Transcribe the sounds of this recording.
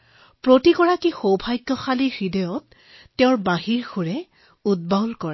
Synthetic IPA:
pɹotikɔɹakixowbʱajkːɔxalixɹidɔjɔtː | ɛʊ̃ɹbaɦiɹxuɹɛ | ud̚balkɔɹɛ

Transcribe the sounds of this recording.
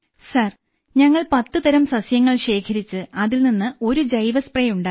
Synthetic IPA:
sɐr | ɲɐŋːɐɭpɐt̪ːɨðɐɾɐmsɐsjɐŋːɐɭɕe̞ːkʰɐɾit͡ɕːɨɐðilninːɨo̞ɾud͡ʑɐjʋɐsprɐjuɳɖaː

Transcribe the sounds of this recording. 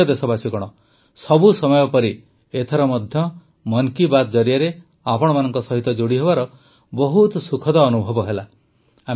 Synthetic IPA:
ɔd̪esɔbasikɔɽ̃ɔ | sɔbusɔmɔjɔpɔɾi | et̪ʰaɾɔmɔd̪ʱjɔ | mɔŋkibad̪ɔd͡ʒɔɾjaɾe | apɔɽ̃ɔmanɔŋkɔsɔɦit̪ɔd͡ʒoɽiɦebaɾɔ | bɔɦut̪sukʰɔd̪ɔːnubʱɔbɔɦela | a

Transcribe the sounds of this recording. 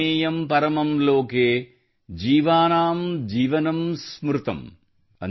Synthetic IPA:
eːjɐmpɐɾɐmɐmloːkeː | d͡ʒiːʋaːnaːmd͡ʒiːʋɐnɐmsmɾɨt̪ɐ̰m | ɐ̰n

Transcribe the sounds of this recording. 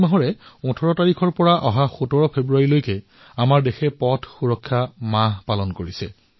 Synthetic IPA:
maɦɔɹɛɔ̃tʰɔɹɔtaɹikʰɔɹpɔɹaʔɔɦaxutɔɹɔpʰebɹuaɹilojkɛ | amaɹdexɛpɔtʰxuɹɔkʰːamaɦpalɔnkoɹisɛ̰

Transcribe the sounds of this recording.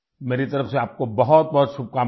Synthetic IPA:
meːɾit̪ɐɾəfseaːp̚kobɐɦɔt̪̚bɐɦɔt̪ʃʊb̚kaː

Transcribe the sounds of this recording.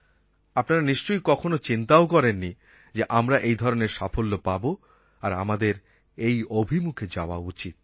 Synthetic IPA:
apnaɾaniʃt͡ɕojkɔkʰonot͡ɕint̪aokɔɾenːi | d͡ʑeʔamɾaʔejd̪ʱɔɾoneɾʃafolːopabo | aɾa̰mad̪eɾ | ejobʱimukʰed͡ʑaoa̰ut͡ɕit̪̚

